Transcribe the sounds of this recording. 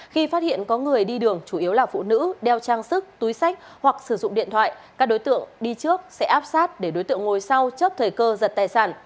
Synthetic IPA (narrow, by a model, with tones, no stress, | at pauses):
xi˧faː˦˥t̚hḭ˧˨ənkɔ˨˦ŋɨ˨˩əjɗi˧ɗɨ˨˩əŋt͡ɕu˧˩ʔi˨˦əwlaː˨˩fṵ˧˨nɨ̰˧˥ɗɛ˧wt͡ɕaː˧ŋsɨ˦˥k̚t̪u˨˦jsa˦˥jk̟̚ | hwa˨˩k̚sɨ˧˩zʊ̰˧˨ŋ͡mɗḭ˧˨ənt̪ʰwa̰ː˧˨j | kaː˦˥k̚ɗo˨˦jt̪ɨ̰˧˨əŋɗi˧t͡ɕɨ˦˥ək̚sɛ̰˧˥ʔaː˦˥p̚saː˦˥t̚ɗe˧˩ɗo˨˦jt̪ɨ̰˧˨əŋo˨˩jsa˧wt͡ɕə˦˥p̚t̪ʰəː˨˩jkəː˧zə˨˩t̚t̪aː˨˩jsaː˧˩n